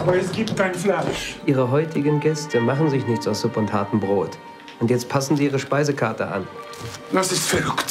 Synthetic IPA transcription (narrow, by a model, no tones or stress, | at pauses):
aːbɐɛsɡ̥iːp̚t̚kaɪnflaɪʃʔiːʁəɦɔʏtʰɪɡən̩ɡɛstʰəmaχn̩zɪçnɪçt͡saʊsz̥ʊpʊnthaɐtəmbʁoːt | ʔʊntjɛt͡st̚pʰasn̩ziːiːʁəʃpaɪzəkʰaɐtə̰ʔa̰n | dasɪstfɛlʊkt